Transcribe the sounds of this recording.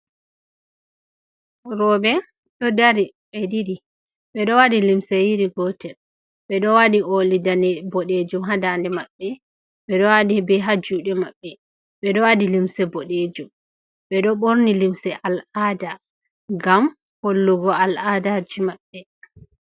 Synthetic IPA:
ɾɔbɛ | ɗɔdaɾi | ɓɛdiɾi | ɓɛɗɔwaɗilimsɛjiɾiɡɔtɛ | ɓɛɗɔwaɗiolidanɛbɔɗed͡ʒumɦadandɛmaɓːɛ | ɓɛɗɔwadibɛɦad͡ʒuɗɛmaɓːɛ | ɓɛɗɔwadilimsɛboɗed͡ʒum | ɓɛɗɔɓoɾnilimsɛʔalada | ɡam | holːuɡɔaladad͡ʒimaɓːɛ

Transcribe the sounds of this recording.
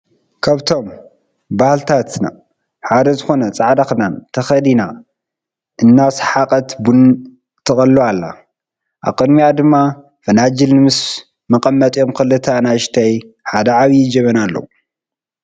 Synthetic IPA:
kʰaβt̪ʰo̞m | bahlt̪ʰat̪na̰ | ħad̪ɐzɨxo̞nɐt͡sʼaʕd̪axɨnant̪ʰɐxɐd̪ina | ʔɨnːasħaqʼɐt̪bun | t̪ʰɨxʼɐlːualːa̰ | ʔa̰βkʼɨd̪mijad̪ɨmːa | fɐnad͡ʒɨlnɨmɨs | mɐkʼɐmːɐt̪ʼjo̞mkɨlːɨt̪ʰanaʃt̪ʰajħad̪ɐʕaβjd͡ʒɐβɐnalːɐ̰wu

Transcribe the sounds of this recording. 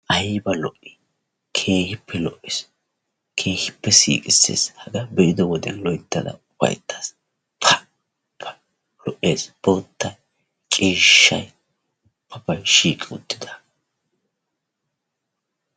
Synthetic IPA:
ʔɐjbɐlɔʔɪ | kʰe̞ːhɪpʰːɛlɔʔːɪs | kʰe̞ːhɪpːɛsḭːkʼɪsːḛːshɐɡɐbɛʔɪd̪ɔwɔd̪ɛnlɔjt̪ːɐd̪ɐ̰ʊfɐ̰jt̪ʰːas | pʰɐ | pʰːɐ | lɔʔe̞ːsb̥oːt̪ːɐj | t͡ʃʼiːʃːɐj | ʊpʰːɐpɐjʃiːkʼɪʊt̪ːɪ̥d̪ɐ̥

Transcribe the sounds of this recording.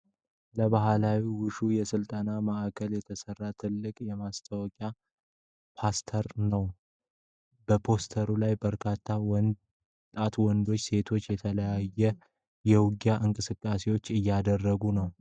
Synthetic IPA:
ləβaɦlawiwʊʃujɛsɨlt̪ʼənaməʔakʰəljɛt̪ʰəsərːat̪ʰɨlːɨkʼjɛmast̪ʰəwɔkʼja | pʰast̪ʰəɾnəw | bəpʰo̞st̪ʰəɾulajbəɾkʰat̪ʰːaw | t̪ʼat̪wɔnd̪o̞t͡ʃːse̞t̪ʰo̞t͡ʃːjɛt̪ʰələjajːɛ | jɛwʊɡjaʔɨŋkʼɨsɨkʼːase̞wo̞t͡ʃːɨjːad̪ərːəɡunəw

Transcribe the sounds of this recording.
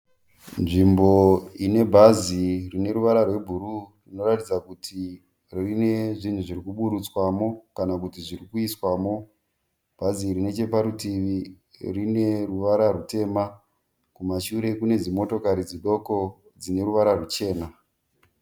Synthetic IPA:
nʐimbo̞ine̞bʱazirine̞ɾuʋaɾarwe̞bʱuɾurino̞ratid͡zakutʰi | rrine̞ʐin̤uʐiɾikuɓuɗut͡swamo̞kanakutiʐiɾikuiswamo̞ | b̥ʱazirine̞t͡ʃe̞paɾutiʋi | rine̞ruʋaɾarute̞ːma | kumaʃuɾe̞kune̞d͡zimo̞to̞kaɾid͡ziɗo̞ko̞ | d͡zine̞ɾuʋaɾarut͡ʃe̞ːna

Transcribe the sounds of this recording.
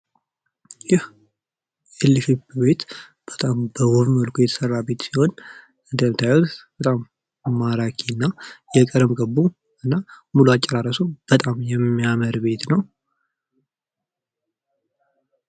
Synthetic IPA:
jɪh | ɛlːifɨbbe̞t̪ | b̥ət̪ʼambəwɔβmiolkʰujɛt̪ʰə̥sərːabe̞t̪siho̞n | ɨnd̪ət̪ʰajwɔt̪b̥ət̪ʼamː | aɾakʰinːajɛkʼəɾmɡəbːu | ʔɨnːamuluat͡ʃʼːɛɾaɾəsob̥ət̪ʼamjɛmːijaməɾbe̞t̪nəw

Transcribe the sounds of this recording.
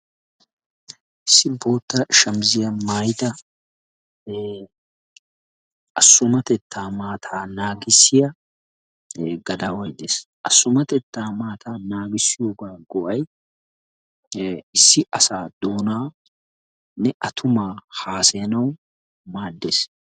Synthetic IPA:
ʔɪsːɪbo̞ːt̪ːɐʃɐmzɪjɐmaːjt̪ɐ | ʔɐsːʊmɐt̪ɛt̪ːaːmaːt̪ʰaːnaːɡɪsːɪjɐ | ɡɐd̪aːwɐjd̪eːs | ʔɐsːʊmɐt̪ɛt̪ːaːmaːt̪ʰaːnaːɡɪsːɪjoːɡaːɡɔʔɐj | ɪsːɪʔɐsaːd̪̥oːnaː | nɛʔɐt̪ʰʊmaːhaːsɛnɐw | maːd̪ːeːs

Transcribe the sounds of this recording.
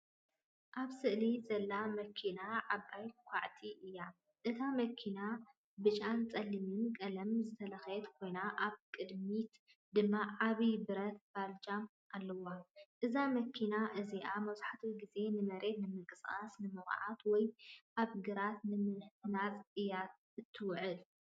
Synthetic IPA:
ʔaβsɨʔlizɐlːamɐkʰːinaʕaβajkʷʰaʕt̪ʰiʔɨjːa | ʔɨt̪ʰamɐkʰina | bɨt͡ʃʼant͡sʼɐlːimɨnkʼɐlɐmzɨt̪ʰɐlɐxjt̪kʰo̞jnaʔaβkʼɨd̪mit̪ | d̪ɨmːaʕaβibɨɾɐt̪̚b̥ald͡ʒam | alːɐwaʔɨzamɐkʰinaʔɨziʔamɐwzħat̪ʰiɡize̞nɨmɐɾe̞t̪nɨmɨkʼɨsʼasnɨmɨxʕat̪wɔjʔaβɡɨɾat̪nɨmɨnħt̪ʰɨnatʼɨjːat̪̚ | ɨt̪ʰːɨwʕɨl

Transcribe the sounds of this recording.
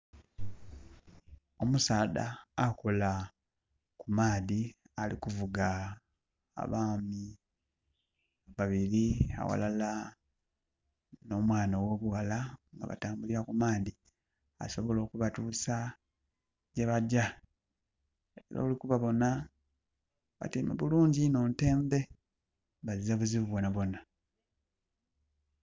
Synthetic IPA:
o̞musaːda̰ːko̞la | kumaːði | alikuvuɡa̰ː | βaːmi | aβaβiɾia̰wa̰lala | no̞ːmwaːnawo̞βuwalaŋɡa̰βa̰taːmbuliɾakumaːndi | a̰so̞βo̞lo̞ːkuβatuːsa | ɟeβaɟa | eɾa̰ulikuβaβo̞na | βa̰timḛβuluːɲɟino̞nte̞ːmbe̞ | βazizaβuziβuβwonaβo̞na

